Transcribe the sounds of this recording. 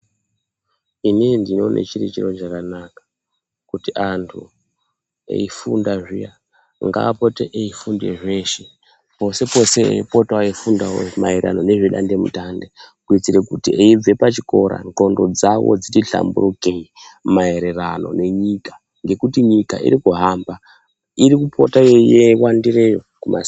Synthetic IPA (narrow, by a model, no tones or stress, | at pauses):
inindino̞nʔḛt͡ʃiɾit͡ʃiro̞t͡ʃakanakḁ | kutiʔantʰu | ḛifundaʐija | ŋɡa̰ːpoteʔeifundḛʐeʃe | po̞se̞po̞se̞ḛipotwaifundaw̰maera̰no̞ne̞ʐeɗa̰nde̞mṵtande | kuit͡siɾe̞kutiʔeib͡ve̞pat͡ʃiko̞ɾa̰nko̞ndo̞d͡zawo̞̰d͡zitiɬa̰mbṵrukeimaeɾerano̞̰ne̞ɲikḁ | ŋɡe̞kutiɲika̰ḭɾikuɦaːmba | iɾikupʰo̞tajejewandirejokuma̰s